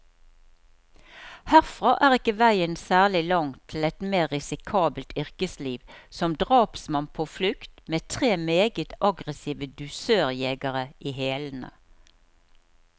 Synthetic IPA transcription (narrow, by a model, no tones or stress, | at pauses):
hæʁfʁɑːʔæːʁɪkəʋæɪənsæːʁlɪlɑŋt̪ʰl̩ɛt̪meːʁɪsɪkʰɑːbəlt̪ʏʁkəsliːʋsɔmd̪ʁɑːpsmɑnpʰoːflʉkt̪meːt̪ʰʁeːmeːɡət̪ʔɑɡʁəsiːʋəd̪ʉsøːʁjeːɡəʁəʔiːheːlən̩ə̰